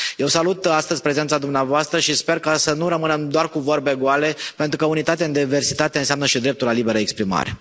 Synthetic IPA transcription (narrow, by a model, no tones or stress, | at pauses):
je̞wsalut̪ast̪əzʲpɾe̞ze̞nt̪sad̪umneavoast̪ɾəʃispe̞rkasənuɾəmɨnəmd̪oarkuvo̞rbe̞ɡoale̞pent̪ɾukəunit̪at̪eand̪eive̞rsit̪at̪eɨnseamnəʃid̪ɾe̞p̚t̪ulalibe̞ɾəekspɾima̰ɾe̞̰